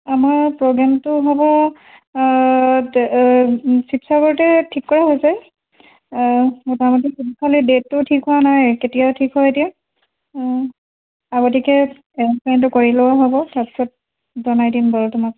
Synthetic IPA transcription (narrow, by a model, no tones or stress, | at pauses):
amaɹpɹoɡɹamtʊɦɔbɔ | sipsaɡɔɹtɛtʰikːɔɹaɦojsɛ | ɔtamɔtikunikʰalidetːʊtʰikɦowanajketijatʰikɦɔjetija | aɡɔtikɛ | ɛpantʊkoɹilowaɦɔbɔtapi̥sɔt̚ | zɔnajdinbɔltumak